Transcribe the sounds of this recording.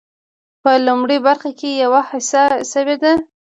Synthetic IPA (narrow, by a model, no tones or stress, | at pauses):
pəlumɽibaɾxakejawahasasəwed̪a